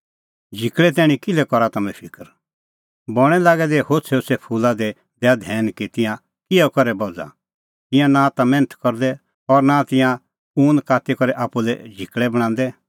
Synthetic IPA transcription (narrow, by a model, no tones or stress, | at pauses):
d͡ʒʱɪkɭɛt̪̬ɛːɽ̃ĩkɪlɛkɔɾat̪ɐmɛ̃pʰɪkəɾ | bɔɽ̃ɛlaːɡɛd̪ɛhosʰeʊsɛpʰuːlad̪ɛ | d̪ɛad̪ʱɛːnkit̪ɪ̃jã | kɪɛkɔɾɛbɔd͡za̰ | t̪ɪ̃jãnat̪amɛ̃ːnət̪ʰkɔɾd̪ɛ | ɔɾnat̪ɪ̃jã | uːnd̪kaːt̪ikɔɾɛʔaːpulɛd͡ʒʱɪkɭɛbɐɽ̃ãːn̆d̪ɛ